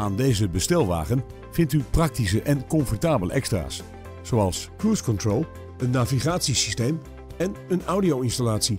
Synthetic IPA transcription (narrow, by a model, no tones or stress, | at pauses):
aːndeːzəbəstɛlˠʋa̰ːχən | fɪntyprɑk̚tisəʔɛnkɔnfɔrtaːbələ̰ʔɛkstra̰ːs | z̥owɑlˠskuɹskɔntroːlˠ | ənːaːviχaːtsisisteːm | ɛnənawdiowɪnstalaːtsi